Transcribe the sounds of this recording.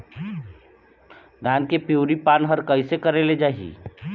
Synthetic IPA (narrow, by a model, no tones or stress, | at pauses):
d̪ʱaːnkepjuːɾipaːnɦəɾkəɪsekəɾeled͡ʒaːɦḭ